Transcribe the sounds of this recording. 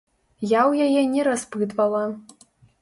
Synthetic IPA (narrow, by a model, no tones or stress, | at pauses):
jawjajɛnʲɛɾazpɨd̪valˠa